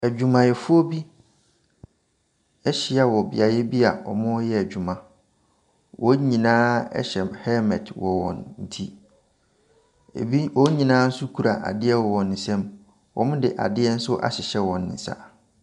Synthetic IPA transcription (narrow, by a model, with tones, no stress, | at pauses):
æ˨d͡ʑᶣu˨mã˨jɛ˨fʊ˦ɔ˦bi˦ | ɛ˦ɕɪ˦a˨wɔ˨bɪ̰˨a˨jɛ˦bi˦a˨ɔ̰˨mʊ̃˦jɛ˦æ˨d͡ʑᶣu˨mã˨ | wʔɔ˦ɲĩ˨nãː˦ɛ̰˦ɕɛ˨hɛ˦mɛ̃˨dwɔ˨wɔ̰̃˨nn̩˨tʰi˦ | ḛ˨bi˦wɔ˦ɲĩ˨nãː˦n̩˦sʊ˦kʰu˨ɾa˨ʔa̰˨dɪ˦ɛ˦wɔ˨wɔ̃˨nːɪ̃˨sɛ̃˦m | wɔ̰˨mʊ̃˦dɪ˨ʔa̰˨dɪ˦ɛ˦n̩˦sʊ˦ʔa̰˨ɕɪ˨ɕɛ˦wɔ̃˨nːɪ̰̃˨sa̰˦